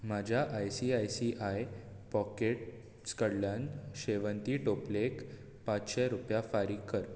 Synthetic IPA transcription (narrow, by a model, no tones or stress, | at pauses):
mad͡ʑʱjaʔajsiajsiʔaj | pɔkeʈ̚ | skəɽljanɕeʋənt̪iːʈoplek | pãt͡sɕɛɾupjafaɾiːkːəɾ